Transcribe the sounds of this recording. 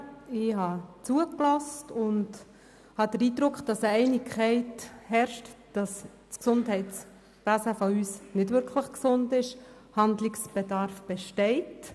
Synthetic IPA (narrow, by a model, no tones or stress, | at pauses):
ɪɦɑt͡suəklɔstʊnd | hɑd̥əɾiːdɾʊkχd̥ɑsəɛɪnɪkʰχɛɪthɛɾʃtd̥ɑs | t͡sksʊndhɛɪts | b̥ɛsɛfɔyːsnɪdʋʏɾkʰlɪχksʊndɪʃ | hɑndlɪksb̥ɛdɑɾfb̥ɛʃtɛɪt